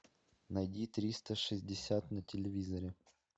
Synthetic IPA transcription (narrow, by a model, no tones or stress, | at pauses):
nɐjdʲit̪ɾʲist̪əʂɪzʲdʲɪsʲat̪nɐtʲɪlʲɪvʲizɐɾʲɪ